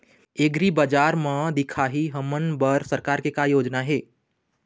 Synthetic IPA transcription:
eɡɾibəd͡ʒaːɾmãd̪ɪkʰaɦiɦəmənbəɾsəɾkaːɾkekajoːd͡ʒnaɦeː

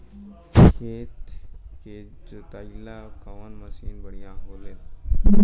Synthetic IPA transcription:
kʰeːt̪ked͡ʒot̪ailakaʋanməsiːnbəɽ̤ijãɦoːleː

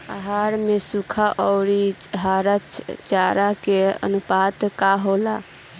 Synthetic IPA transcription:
aɦaɾmesukʰaʔɔʊɾit͡ʃɦaɾət͡ʃʰt͡ʃaɾakeə̰nupat̪kaɦola

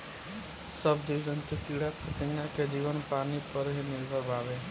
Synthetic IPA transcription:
səbd͡ʒiʋd͡ʒənt͡ʃ̪ekiːɽat̪ʰət̪eŋãked͡ʒiːʋənpaːnipəɾɦemɪlʋəbaːʋe

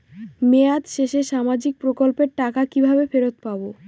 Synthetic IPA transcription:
mead̪ʃeʃeʃamad͡ʑik̚pɾokolpeɾʈakakibʱabefeɾot̪pabo

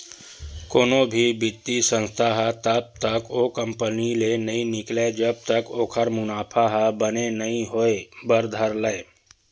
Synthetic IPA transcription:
koːnobʱibɪt̪ːisə̃nst̪ʰaɦt̪əb̚t̪əkoːkə̃mpənilenɐĩnɪkled͡ʒɐb̚t̪əkoːkʰəɾmʊnaːpʰaɦbənenɐɦĩɦoebəɾd̪ʱəɾləe

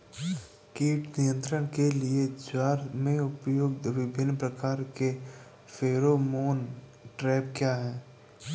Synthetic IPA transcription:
kiːʈnɪjə̃nt̪ɾəɽ̃kelɪed͡ʒwaːɾmẽʊpjoːɡ̚d̪ʋɪbʱɪnːpɾəkaːɾke | fʰeːɾomoːn | ʈɾɛːp̚kjaːɦɛː

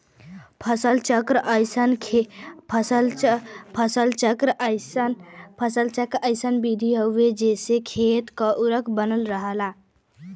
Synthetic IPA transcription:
pʰəsəlt͡ʃəkɾəɪsənʰ | pʰsə | pʰəsəlt͡ʃəkɾ | pʰəsəlt͡ʃəkɾəɪsənbid̪ʱiɦəʊed͡ʒesekʰet̪kəʔuɾəkʰbənəlɾəɦəla

